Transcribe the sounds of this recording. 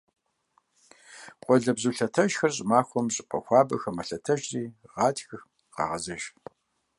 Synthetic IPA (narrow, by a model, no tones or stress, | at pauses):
qʷɔɮɐbzuːɬɐtʰɐʒxɐrɕʼɪmaːxʷɔmɕʼɪpʼɐxʷɑːbɐxɐmɐɬɐtʰɐʒriːʁɑːtʰxɨx | qɑ̰ːʁɐzɐʒ